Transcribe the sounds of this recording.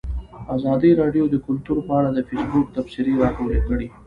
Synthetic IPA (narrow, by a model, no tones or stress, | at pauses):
azɑd̪iɾɑɖjod̪əkʊlt̪uɾpəaɽad̪əfesbʊk̚t̪afsɪɾeɾɑkawəlekəɽi